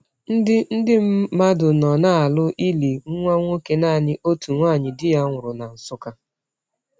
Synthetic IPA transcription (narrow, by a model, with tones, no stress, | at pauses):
n̩˦dɪ˦n̩˦dɪ˦m̩˦ma˦dʊ˨nɔ˨naː˦˨a˨lʊ˦ʔi˦li˨ŋ̩˦ŋʷa˦ŋʷo˦ke˦naː˦˨ɲɪ˦ʔo˦tu˨ŋʷaː˦˨ɲɪ˨dɪ˦ja˦ŋʷʊ˨ɾʊ˨na˨n̩˨sʊ˦ka˦